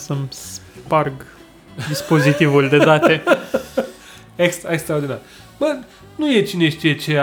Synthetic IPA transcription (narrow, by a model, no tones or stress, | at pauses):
səmsparɡ | d̪ispo̞zit̪ivulʲd̪ed̪at̪e | ekst̪ekst̪ɾaod̪inaɾʲj | b̥ə | nuje̞t͡ʃineʃʲt̪ijet͡ʃe